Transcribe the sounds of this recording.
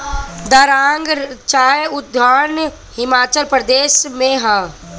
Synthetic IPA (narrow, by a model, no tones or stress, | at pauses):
d̪əɾãːŋɡt͡ʃaːjʊd̪ʱan | hɪmaːt͡ʃəlpɾəd̪eːʃmẽɦə̃